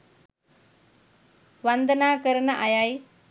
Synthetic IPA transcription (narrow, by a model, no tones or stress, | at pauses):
ʋɐnd̪ɐnaːkəɾɐnɐʔɐjaj